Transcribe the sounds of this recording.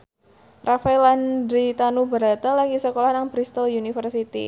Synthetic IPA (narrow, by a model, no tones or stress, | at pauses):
rafaɛlandɾit̪anubəɾat̪alaɡisəkolahnaŋbɾist̪əljunifərsit̪ḭ